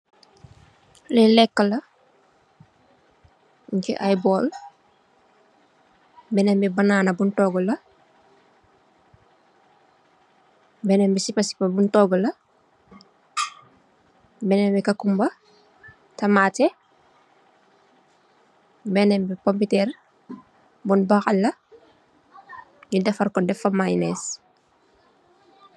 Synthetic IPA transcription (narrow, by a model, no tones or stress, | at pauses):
lɛlɛkːəlɐ | ŋkḭʔajbɔːl | bɛnɛmbibɐnaːnɐbuntɔɡulɐ | bɛnɛmbisipɐsi̥pɐbuntɔɡɔlɐ | bɛnɛmbikɐkumbɐ | tɐmaːtɛ | bɛnɛmbikompitɛr | bunbaxɐlːɐ | ɲudɛfɐrkɔdɛfɐmajnɛs